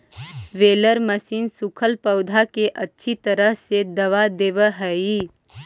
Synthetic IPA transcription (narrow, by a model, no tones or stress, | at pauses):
ʋeːləɾməsiːnsʊkʰəlpəʊd̪ʱakeʔɐtːʃʰit̪əɾəɦsed̪ɐʋad̪eːʋəɦɛiː